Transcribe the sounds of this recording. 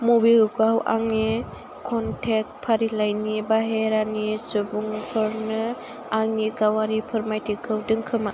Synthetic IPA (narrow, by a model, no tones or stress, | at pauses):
mobilɯkawʔa̰ŋni | kʰɔntʰek̚t̚pʰaɾilajnibaɦeɾanisɯbuŋpʰɯɾnɯ | aŋnikawaɾipʰɯɾmajtʰikʰːɯwdɯŋkʰɯma